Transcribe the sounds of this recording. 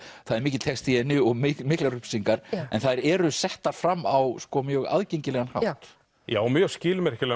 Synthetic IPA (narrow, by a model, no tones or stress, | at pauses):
θaðɛɾmiːcɪ̥t̪ʰɛkst̪ʰiɛnɪɔɣɪmɪklaɾʏpsiŋkaɾɛ̰nθaðɾɛɾʏsɛht̪aɾ̥fɾamːawskɔmjœːɣa̰ðcejɲcɪlɛɣanha̰wht̪ | ja̰ːwmjœ̥scɪːlmɛɾ̥cɪlɛ